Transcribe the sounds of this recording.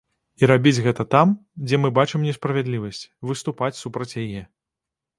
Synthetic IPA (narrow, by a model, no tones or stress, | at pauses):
iɾabʲid͡zʲɣɛt̪ɐt̪amd͡zʲɛmɨbat͡ʂɨmnʲɛspɾɐvʲɛd̪lʲivɐsʲt͡sʲvɨst̪upat͡sʲsupɾɐt͡sʲjajɛ